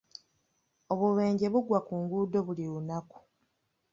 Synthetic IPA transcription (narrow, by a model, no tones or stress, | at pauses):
o̞βuβe̞ːɲɟe̞βuɡwakuːŋɡuːdo̞βuliβunaku̥